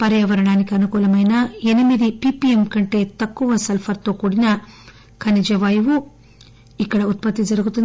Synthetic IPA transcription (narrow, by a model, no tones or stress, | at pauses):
pɐɾjɐʋɐɾɐɳaːnikɐɐnukuːlɐmɐjnɐenimid̪ipipiemkɐɳʈet̪ɐkːuʋɐsɐlpʰɐɾt̪oːkuːɽinɐ | kʰɐnid͡ʒɐʋaːjiʋu | ikːɐɽɐut̪̚pɐt̪ːid͡ʒɐɾɡut̪ːin